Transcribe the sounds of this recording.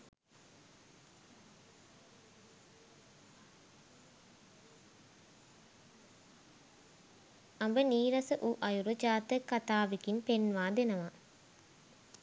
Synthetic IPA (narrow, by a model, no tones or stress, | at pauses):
ɐmbəniːɾɐsəʔuʔɐjuɾut͡ʃaːt̪əkːɐt̪aːʋikinpenʋaːd̪enɐʋa